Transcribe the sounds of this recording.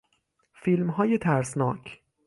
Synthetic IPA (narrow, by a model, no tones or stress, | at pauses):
filmɦɒːjet̪ʰæɾsnɒ̰ːcʰ